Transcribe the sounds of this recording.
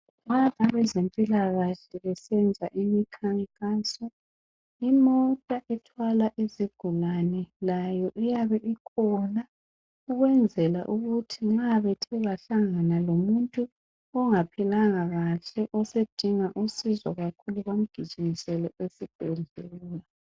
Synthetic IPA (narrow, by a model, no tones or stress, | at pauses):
ŋataβɛzempʼilaɣaɬɛβɛsɛnd͡zʱaʔimikʰaŋkʼasɔ | imɔtʼaʔɛtʰwalaʔiziɡ̥ʱulanɛlajɔʔijaβɛʔikʰɔna | uɣwɛnd͡zʱɛla̰ʔuɣutʰiŋ͡ǁaβɛtʰɛɣaɬaŋanalomuntʼu | ɔŋapʰilaŋaɣaɬɛʔɔsed̥ʱiŋaʔusizɔ̰ɣakʰuluɣom̩ɡ̥ʱi̥t͡ʃʼiŋisɛlɔesib̥ʱɛnd͡ɮʱuluːla